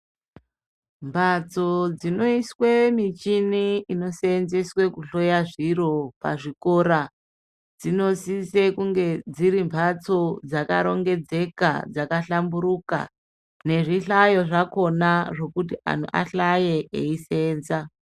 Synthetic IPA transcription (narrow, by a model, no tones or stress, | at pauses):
mbʱat͡so̞d͡zino̞iswemit͡ʃiniino̞seːnzeswe̞kuɬo̞jaʐiɾo̞pa̰ʐiko̞ɾa | d͡zino̞sisekuŋɡe̞d͡ziɾimbʰʱat͡so̞d͡zaka̰ɾo̞ŋɡe̞d͡ze̞ka̰d͡zakaɬambuɾuka̰ | ne̞ʐiɬajo̞ʐako̞naʐo̞kutia̰n̤ṵʔa̰ɬaje̞ʔḛiseːnza